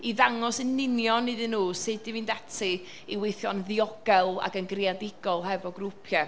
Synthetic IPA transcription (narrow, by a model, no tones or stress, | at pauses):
iðaŋɔsɪnɪnjɔnːɨðɨnːuːseːd̥iviːndatʰɨ | iwejθjɔnðiɔɡɛlˠa̰ɡənɡriadɪɡɔlˠɦɛvɔɡrupʰjɛ